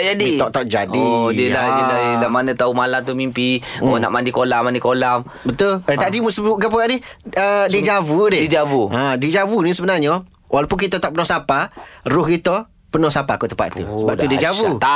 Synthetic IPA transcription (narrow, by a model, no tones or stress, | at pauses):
d͡ʒadit̪ɔʔt̪ɔʔd͡ʒadidəladilaəlamanət̪aumalamt̪umimpiɔna̰ʔmandikolamandikolam | bət̪ʊlət̪adimusəbuɡap̬əɡaʔdɪhədid͡ʒavudɪdid͡ʒavuãdid͡ʒavunĩsəbənarɲə | wʔalapʊnkit̪ət̪aʔpənɔsaparʊhkit̪ə | pənɔsapakot̪əpa̰ʔ̪ṵsəbapt̪udiəd͡ʒavut̪a